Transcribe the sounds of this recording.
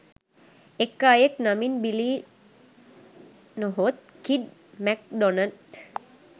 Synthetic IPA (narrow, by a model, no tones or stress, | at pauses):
ekːaːjeknaminbiliː | noɦot̪̚ | kiɖmæk̚ɖonət̪